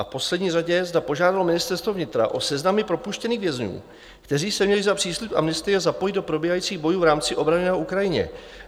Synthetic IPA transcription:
afpo̞slɛdɲiːraɟɛzdapo̞ʒaːdalo̞mɪnɪst̪ɛɾst̪vo̞vɲɪt̪ɾa̰ʔo̞sɛznamɪpɾo̞puʃcɛniːɣvjɛzɲṵː | kt̪ɛr̝iːsɛmɲɛlɪzapr̝̥iːslupʔa̰mnɪst̪ɪɛzapo̞jɪd̪o̞pɾo̞biːɦajiːt͡siːɣbo̞juːvɾaːmt͡sɪʔo̞bɾaɲɛnɛːɦoʔukɾajɪɲɛ̰

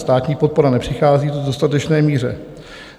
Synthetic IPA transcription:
st̪aːt̪ɲiːpo̞t̪̚po̞ɾanɛpr̥ɪxaːziːdodo̞st̪at̪ɛt͡ʃnɛːmiːrɛ̰

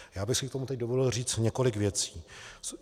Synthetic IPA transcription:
jaːbɪxsɪkt̪omut̪ɛc̚dovodl̩riːt͡st̪ɲɛko̞lɪkvjɛt͡si̥ː

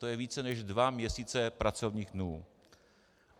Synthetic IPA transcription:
t̪ojɛviːt͡sɛnɛʒdvamɲɛsiːt͡sɛpɾat͡sovɲiːxdnuː

